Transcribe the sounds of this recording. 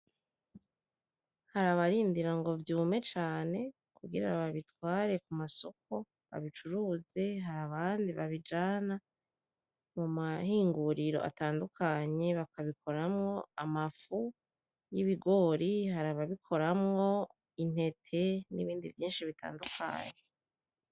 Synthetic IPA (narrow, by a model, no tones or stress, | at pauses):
haɾaβaɾiːndiɾaŋɡo̞vjuːme̞t͡ʃaːne̞ | kuɡiɾaβaβitwaːɾe̞kumaso̞k̚o̞ | βa̰βit͡ʃuɾuːze̞ɦaɾaβaːndiβaβid͡ʒaːna | mumahiːŋɡuɾiɾo̞̰ʔa̰taːndukʰaɲe̞βakaβikʰo̞ɾamŋo̞amafu | jiβiɡo̞ːɾihaɾaβaβikʰo̞ɾamŋo̞ | in̥he̞tʰe̞nḭβiːndivjiːnʃiβitʰa̰ːndukʰa̰ɲe